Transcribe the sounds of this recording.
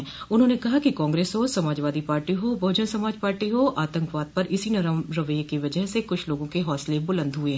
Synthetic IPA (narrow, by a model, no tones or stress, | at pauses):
ʊn̤ɦõːnekɐɦakikãːŋɡɾeːsɦosɐmaːd͡ʒʋaːd̪ipaːɾʈiɦobʱoːd͡ʒənsɐmaːd͡ʒpaːɾʈiɦoʔaːt̪ə̃ŋkʋaːd̪̚pɐɾʔɪsinɐɾmɾɐʋəjekiʋɐd͡ʒəɦsekʊt͡ʃʰloːɡõkeɦɔːslebʊlə̃nd̪ɦʊeɦɛ̃